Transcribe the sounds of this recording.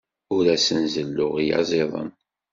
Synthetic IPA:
ʊɾæsənzəlːʊʁijɑ̰zˤeðˤə̰n

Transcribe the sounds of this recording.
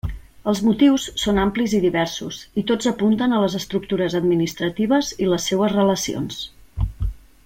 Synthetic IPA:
əlˠzmut̪iwsːonampliziðiβɛɾsusit̪od͡zəpunt̪ənələzəst̪ɾuk̚t̪uɾəzəd̪minist̪ɾət̪iβ̞əziləsːewəzrələsio̰ns

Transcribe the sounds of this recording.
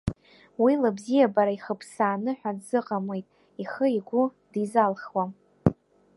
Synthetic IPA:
wilabzijabaɾaiχəpʰsaːnɨħʷᶣadzɨqʼamwejtʼ | iχəiɡʷu | d̥izalχwa

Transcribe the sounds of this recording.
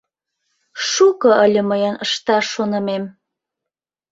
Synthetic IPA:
ʃukɤ̆ʔəlʲə̆məjənəʃt̪ɑʃonə̆mem

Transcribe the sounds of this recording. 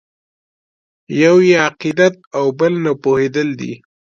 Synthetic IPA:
jawjeaqid̪at̪̚awbəlnapohed̪əld̪ḭ

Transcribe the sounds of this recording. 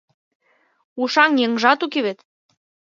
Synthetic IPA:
uʃɑŋjĕŋʒɑt̪ukeβet̪

